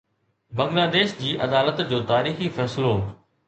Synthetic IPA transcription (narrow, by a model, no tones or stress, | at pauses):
bɐ̃ŋɡlaːd̪eːʃd͡ʑiːʔɐd̪aːlət̪d͡ʑoːt̪aːɾiːxifɛːsɪlo